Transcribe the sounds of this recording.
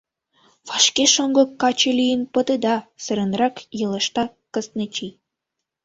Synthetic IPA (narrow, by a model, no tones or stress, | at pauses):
βɑʃkeʃoŋɡɤ̆kːɑt͡ɕelijənpə̆d̪ə̆d̪ɑsə̆ɾə̆nrɑkjɤ̆lə̆ʃt̪ɑ | kəsnet͡ɕi